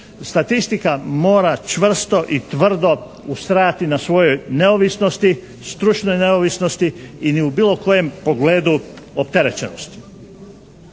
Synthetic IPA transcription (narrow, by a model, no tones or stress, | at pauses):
st̪at̪ist̪ikamo̞ːɾat͡ʃʋr̩st̪o̞ʔit̪ʋr̩d̪o̞ | ust̪ɾajat̪inasʋo̞jo̞jne̞oʋisno̞st̪i | st̪ɾut͡ʃnojne̞oʋisno̞st̪iiniubiːlˠo̞ko̞je̞mpo̞ɡle̞ːd̪u | o̞pt̪e̞ɾe̞t͡ɕenost̪i̥